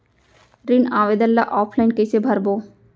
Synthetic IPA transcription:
ɾinaːʋed̪əlːa̰ʔɔːpʰlajnkɪsʰebʱɐɾbo

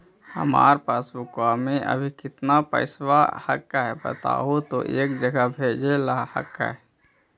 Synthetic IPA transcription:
hə̰ma̰ːɾpasbʊkwameʔə̰bʱikɪt̪napə̰ɪswahə̰kːaɦɛbə̰t̪a̰ɦot̪oʔeːkd͡ʒəɡabʱed͡ʒelahə̰kːa̰ɦɛ

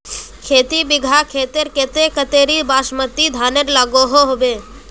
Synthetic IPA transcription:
kʰeːt̪ibɪɡʱakʰeːt̪eɾket̪ekət̪eːɾibaːʃmət̪ːid̪ʱaːneɾlaːɡoɦoɦobeː

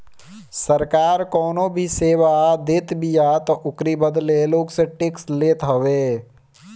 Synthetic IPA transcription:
səɾkaːɾkɔːnobʱiseːʋad̪ɪt̪bijat̪ɔʔʊkɾibəd̪leloːɡseʈɪksleːt̪ɦɐʋeː

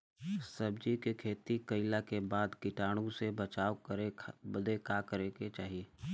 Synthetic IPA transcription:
sɐb̚d͡ʒikekʰeːt̪ikɐɪlakebaːd̪kɪʈaːɽ̃ũsebɐt͡ʃaːwkɾebəd̪ʱekakəɾeket͡ʃaːɦieː

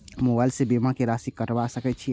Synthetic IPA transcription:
mobajlsẽbemãkeɾasikːəʈbasəkɛt͡ʃʰi

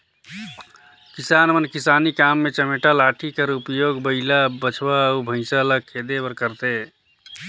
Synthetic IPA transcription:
kisanəmənkisaːnikamːet͡ʃəmeʈəlaʈʰikəɾupjoɡbəɪlabət͡ʃʰbaubʱə̃ɪsələkʰːed̪ebəɾkəɾt̪e

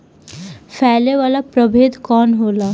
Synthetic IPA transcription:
fʰɛːleʋaːlapɾəbʱeːd̪ʱkɔːnɦoːlaː

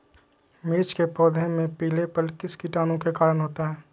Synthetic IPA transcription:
meːt͡ʃkepɔːd̪ʱẽmẽpiːlepəlkɪskɪʈaːnõkekaːɾənɦoːt̪aɦɛː

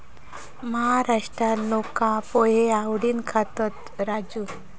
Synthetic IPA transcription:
məɦaɾaʂʈɾalokãpɔjeawɽiːnkʰat̪ət̪ | ɾad͡ʑu

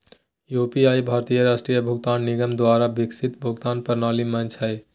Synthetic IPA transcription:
jupiaibʱaːɾt̪ijəɾaʃʈɾijəbʱuɡ̚t̪aːnːiɡəmd̪waːɾabiksit̪bʱuɡt̪aːnpəɾnaːlimənt͡ʃʰəj

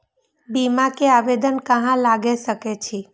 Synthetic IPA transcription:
bimakeaʋed̪ənkəɦãlaɡesəket͡ʃʰi

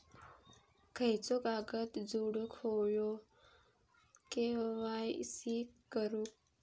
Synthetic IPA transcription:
kʰəjt͡sokaːɡət̪d͡zuːɽukʰojo | keʋajsikəɾuk

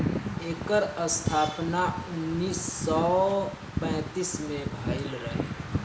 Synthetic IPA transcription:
eːkəɾəst̪ʰaːpnaʊnːiːsːɔ | pɛ̃ːt̪ismẽbʱaːɪlɾəɦḛ

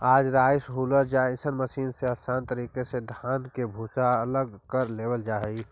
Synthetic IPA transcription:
aːd͡ʒɾaːɪsɦuləɾd͡ʒasənməsiːnseəsaːnt̪əɾiːkesed̪ʱaːnkebʱusaələɡkəɾlebəld͡ʒaːɦɛi

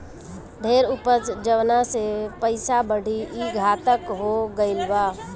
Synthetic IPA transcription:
d̪ʱeːɾʊpət͡sd͡ʒəʋnasepəɪsabəɽ̤ʱiʔiɡʱaːt̪əkɦoɡəɪlʋaː

